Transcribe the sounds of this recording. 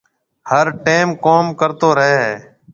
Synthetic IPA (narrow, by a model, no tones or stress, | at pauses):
həɾʈeːmkoːmkəɾt̪oːɾəɦeː